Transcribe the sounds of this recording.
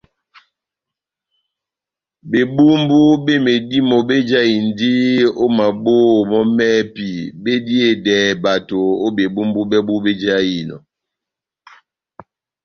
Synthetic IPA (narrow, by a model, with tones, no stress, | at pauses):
be˨bu˦m˦bu˦be˦me˨di˦mo˨be˦d͡ʒa˦i˨n˨˦di˦o˦ma˨bo˦˨mɔ˦mɛː˦pi˨be˦di˦e˦˨dɛ˨˦˨ba˨to˨o˦be˨bu˦mbu˦bɛ˦bu˦be˦d͡ʒa˦ji˨nɔ̰˨